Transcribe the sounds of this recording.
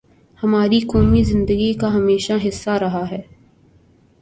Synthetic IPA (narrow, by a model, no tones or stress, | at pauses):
hɐmaːɾikɔːmizɪ̃nd̪əɡikaɦɐmeːʃaɦɪsːaɾɐɦaɦɛː